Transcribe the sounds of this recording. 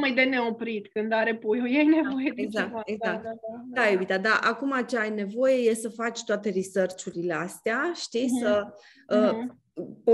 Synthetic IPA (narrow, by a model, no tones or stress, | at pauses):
majd̪e̞ne̞opɾit̪kɨnd̪aɾe̞pujojajnevo̞jed̪eɡzak̚eɡak̚t̪d̪aebit̪ad̪aʔakumat͡ʃeajne̞vo̞je̞je̞səfat͡ʃʲt̪oat̪e̞risərt͡ʃuɾile̞ast̪eaʃt̪isə | ə | p